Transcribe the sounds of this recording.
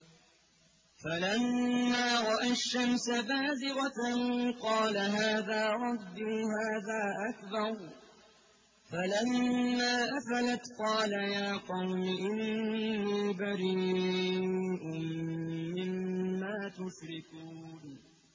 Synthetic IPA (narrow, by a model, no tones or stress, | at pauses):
falamːaːɾˤɑʔaʃːamsabaːzɪɣaqɑːlaɦaːðaːɾˤɑd̪ːʊhaːðaːʔakbɑɾˤ | falamːaːʔafalat̪qɑːlajaːqɑwmɪʔɪnːiːbaɾiː | ʔʊmː | ɪmːaːt̪ʊʃɾɪkuːn